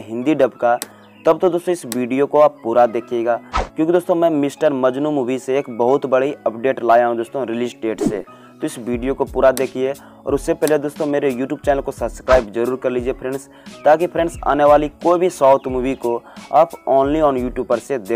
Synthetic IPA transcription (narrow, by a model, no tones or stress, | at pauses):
ɦɪ̃nd̪iɖɐbka | t̪ɐb̚t̪od̪oːst̪õɪsʋiːɖijokoaːpːuːɾad̪eːkʰijeːɡaːkjõːkid̪oːst̪õmɛ̃ːmɪsʈəɾmɐd͡ʒnumuːʋiseːkbɐɦʊt̪bɐɽiɐpɖeːʈlaːjaɦũd̪oːst̪õɾɪliːsɖeːʈsḛ | t̪oɪsʋiːɖijokopuːɾad̪eːkʰie | ɔːɾʊsːepɛɦled̪oːst̪õmeːɾejuːʈjuːbt͡ʃɛːnəlkosɐbskɾaːɪbzɐɾuːɾkɐɾliːd͡ʒiepʰɾɛ̃ɳɖs | t̪aːk̬ipʰɾɛ̃ɳɖsa̰ːneʋaːlikoːibʱisɔːʊt̪ʰmuːʋikoaːpɔːnliɔːnjuːʈjuːb̚pəɾsed̪eː